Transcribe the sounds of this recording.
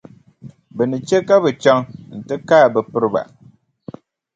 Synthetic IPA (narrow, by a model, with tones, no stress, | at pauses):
bɨ˨nɨ˨t͡ʃe˦ka˦bɨ˨t͡ʃa˦ŋn̩˨tɨ˦kaː˦˨bɨ˨pɨ˦ɾɨ˦ba̰˨